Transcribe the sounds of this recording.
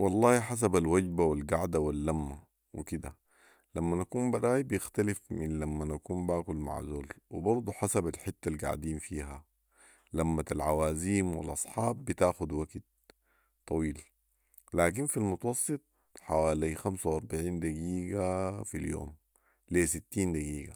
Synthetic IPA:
wɑlˤːɑːhiħas̬abalwaɟbawalɡaʕd̪awilːamːa | wḭkid̪a | lamːanakuːmbaɾaːjbijɪxt̪alifminlamːanakuːmbaːkulma̰ʕa̰zoːlwḭbɑɾˤd̪ˤuħasabalħɪt̪ːalɡa̰ʕd̪iːnfiːɦa | lamːaalʕawaːziːmwḭlʔɑsˤħɑːbːit̪aːxud̪waɡt̪̚ | t̪ˤɑwiːl | laːk̬infilmut̪ɑwɑsˤːɨt̪̚ˤ | ħawaːliːxamsawɑɾˤbaʕiːnd̪aɡiːɡafiljo̰ːm | leːsit̪ːiːnd̪aɡiːɡa

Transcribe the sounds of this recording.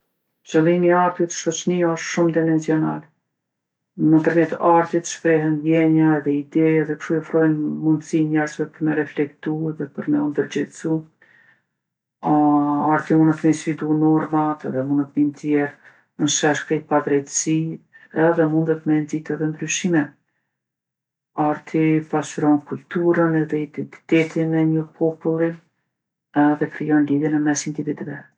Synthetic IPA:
t͡ʃɛlˠimiaɾt̪it̪ʃɔt͡ʃniɔʃt̪ʃumd̪imɛnt͡siɔna̰l | nəpəɾmɛt̪aɾt̪it̪ʃpɾɛɦɛnvjɛɲaɛðɛid̪ɛjaðɛkʃtujafɾɔjnːund̪əsinjaɾsvɛpəɾmɛɾɛflɛkt̪uɛðɛpəɾmɛund̪əɾd͡ʑɛθsu | aɾt̪imunət̪misfid̪unɔɾmat̪ɛ̰ðɛmunət̪̚mint̪ʰjɛɾ | nʃɛʃkɛjpad̪ɾɛt̪ə̥si | ɛðɛmund̪ət̪mɛnd̪it̪ɛðɛnd̪ɾyʃimɛ | aɾt̪ʰipasyɾɔnkult̪uɾənɛðɛid̪ɛnt̪i̥t̪ɛt̪ʰimɛɲəpʰɔpulˠin | ɛðɛkɾijɔnliðjɛnɛmɛsind̪ivid̪vɛ

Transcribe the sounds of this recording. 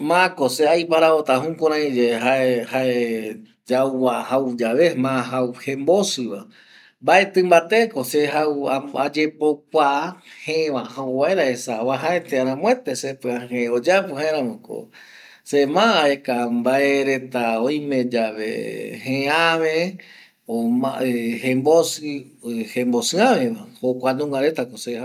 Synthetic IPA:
mãkoseajpaɾaot̪aɦũkõɾ̃ãj̃d͡ʒeɦaehae | d͡ʒawwahawd͡ʒaβemãɦawhẽmbosɨβa | mbaʔet̪ɨ̃mbat̪ekoseɦawaad͡ʒepok̚ʷaheβahaβaeɾaesawaɦaẽt̪eaɾãmw̃ẽt̪esepɨãheod͡ʒapɨhãeɾãmõko̰ | semãaekambaeɾe̞t̪aoj̃mẽd͡ʒaβḛhẽãβe | omaeɦẽmbosɨ | hembosɨãβẽβahokʷanũŋɡaɾet̪akoseha

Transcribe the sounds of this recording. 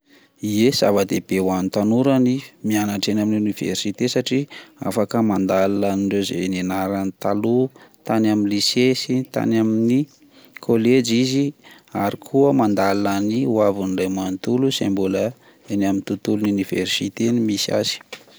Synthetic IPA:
iez̥a̰vəd̪ebewanint̪anuɾənimianaʈ͡ʂenaminunivḛrsit̪esaʈ͡ʂia̰fakəmand̪alinəniɳɖ͡ʐezḛnenaɾanit̪alut̪anaminlisesit̪a̰namini | kʰoled͡ʒizi | aɾikʰuəmand̪alinaniwavuniɖ͡ʐajmant̪ulusembulə | enamint̪ut̪ulununiv̥ḛrsit̪enimisa̰zi̥

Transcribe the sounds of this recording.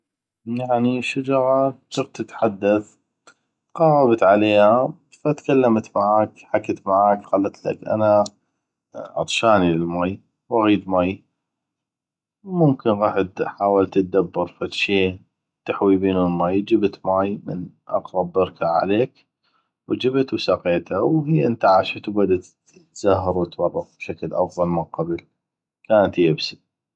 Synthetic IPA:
jaʕniʃad͡ʒaɣat̪ɪft̪ɪt̪ħad̪ːaθ | qɑːɣɑbat̪ʕaleːha | fat̪kalːamt̪maʕaːkħakat̪maʕaːkxalɪt̪la̰kʔa̰na | ʔɑ̰t̪ˤʃaːnilɪlmaːj | waɣiːd̪maːj | mʊmkɪnɣɑːħd̪ħaːwɪlt̪̚d̪abːɑɾˤfat̪ʃeː | t̪aħwibiːnulmaːjd͡ʒɪbt̪maːjmɪ̰n | ʔɑ̰qɾˤɑbːɪɾkʰaʕa̰leːk | wd͡ʒɪbt̪wsɑqeːt̪hawɦiːʔɪnt̪aʕaʃat̪bad̪a | t̪z̥aɦːɑɾˤwət̪wɑrˤːɑfb̥ʃaklʔɑ̰fðˤɑlmənqɑbl | kaːnt̪jɪbsi̥

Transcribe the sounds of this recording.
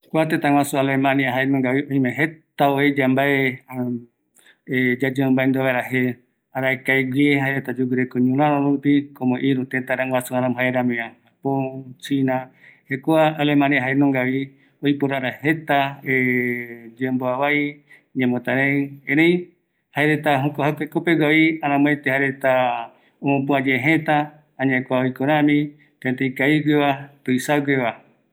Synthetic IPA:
kʷat̪et̪aŋwasualemãniaɦaenõŋɡaβiʔoĩmẽɦet̪aoed͡ʒambaea | ed͡ʒad͡ʒembaind̪oβaeɾaɦe | aɾaekajɡeɦaeɾet̪ad͡ʒuɡuɾekoɲũlãɾõɾupikomoʔiɾut̪et̪aɾaŋɡʷwasuaɾamɦaeɾamĩahapoŋt͡ʃinã | hekoaːlemãniaɦaenõŋɡaβi | oipoɾaɾahet̪ae | d͡ʒemboaβai | ɲẽmõt̪aɾẽẽɾẽ | haeɾet̪aɦokohakoekopeɡʷaβiaɾãmoet̪ehaɾet̪a | õõpũad͡ʒeɦẽt̪a | ãɲãkʷaojkoɾãmĩ | p̪ent̪eikaiɡʷeβat̪oisaɡʷeβa

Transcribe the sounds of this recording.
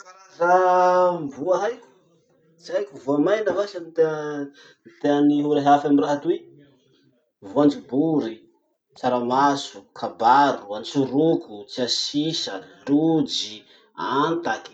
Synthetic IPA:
kaɾazamvuaɦajkʲu̥ | z̥ajkʲuvuamajnəmasanit̪e | nt̪eaniɦuɾaɦafamiraɦat̪ui | vuand͡ʒibuɾi | t͡saɾamasukʰabaɾuant͡suɾukʰut͡siasisəlud͡ʒi | ant̪aki̥

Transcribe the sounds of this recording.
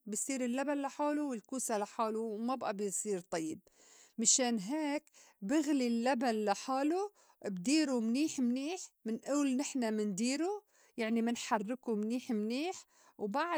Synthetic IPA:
bɪjsˤiːɾɪlːabanlaħaːluwɪlkuːsalaħaːluwmabʔabɪjsˤiːɾt̪ˤɑjːɪb̚ | mɪʃeːnɦeːk | bɪɣlilːabanlaħaːlu | bd̪iːɾumniːħmniːħmɪnʔawlnɪħnamɪnd̪iːɾu | jaʕnimɪnħɑrːɪkumniːħmniːħ | wbaʕ

